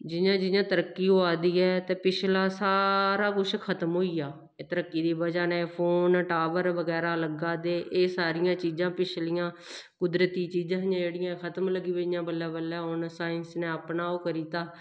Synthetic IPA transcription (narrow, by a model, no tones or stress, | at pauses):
d͡ʒɪjãːd͡ʒɪjãːt̪əɾəkːiːɦoːaːd̪iːɛːt̪eːpɪt͡ʃʰlaːsaːɾaːkʊt͡ʃʰkʰət̪mɦoːiːjaː | eːt̪əɾəkːiːd̪iːbəd͡ʒaːneːpʰoːnʈaːʋəɾʋəɡɛːɾaːləɡaːd̪eːʔeːsaːɾɪjãːt͡ʃiːzãːpɪt͡ʃʰlɪjãː | kʊd̪ɾət̪iːt͡ʃiːd͡ʒãːɪjãːd͡ʒeːɽijãːkʰət̪əmləɡiːbeɪãːbəlːaːbəlːɛːɦʊnsaːɪnsneːəpnaːoːkəɾiːt̪aː